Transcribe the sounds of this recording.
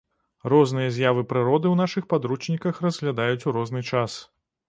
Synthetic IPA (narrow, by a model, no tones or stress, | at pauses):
rɔznɨjɐzʲjavɨpɾɨɾɔd̪ɨwnaʂɨxpad̪ɾut͡ʂnʲikɐxrɐzɣlʲad̪ajut͡sʲuɾɔznɨt͡ʂas